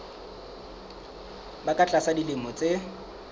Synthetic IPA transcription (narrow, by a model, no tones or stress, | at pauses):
bakʼat͡ɬʼasadilɪmʊt͡sʼe